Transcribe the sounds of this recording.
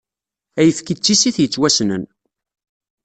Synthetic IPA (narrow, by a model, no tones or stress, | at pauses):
æjəfkit͡sːisiθjət͡sːwæsnən